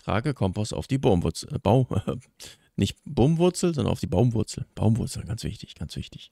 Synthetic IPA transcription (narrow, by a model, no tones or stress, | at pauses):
tʁ̥a̰ːɡəkʰɔmpɔsa̰ʊfd̥iːbomvʊt͡sb̥aʊ | nʔɪçtb̥oːmvʊɐt͡sl̩zɔndɐ̰ʔaʊfd̥iːbaʊmvʊɐt͡sl̩b̥aʊmvʊɐt͡sl̩ɡant͡sv̥ɪ̰çtɪ̥çɡ̥ansv̥ɪ̰çtɪ̥ç